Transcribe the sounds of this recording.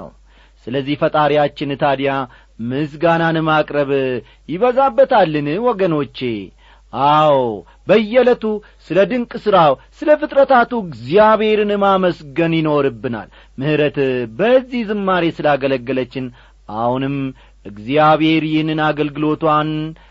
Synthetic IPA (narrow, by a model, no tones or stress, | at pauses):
ə̰w | sɨləzːihfət̪ʼaɾijat͡ʃːɪnt̪ʰad̪ja | mɨs̬ɡananmakʼɾəβ | jɪβəzabːət̪ʰalːɨnwɔɡəno̞t͡ʃːe̞ | ʔaw | bəjːɛlət̪u | sɨləd̪ɨŋkʼsɨɾawsɨləfɨt̪ʼɾət̪at̪uɡzijaβhe̞ɾɨnmaməsɡənjɪno̞ɾɨbːɨna̰l | mɨhɨɾət̪bəzːihzɨmːaɾesɨlaɡələɡːələt͡ʃːɪn | ʔa̰hunɨm | ʔɨɡzijaβhe̞ɾjɪnɨnaɡəlɡɨlo̞t̪wan